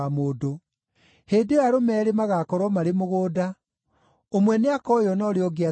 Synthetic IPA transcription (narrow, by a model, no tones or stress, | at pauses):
amoːdo | heːdeaɾomɛːɾemaɣakɔɾwɔmaɾemoɣoːda | omwɛneakɔjɔnɔɾeɔɡea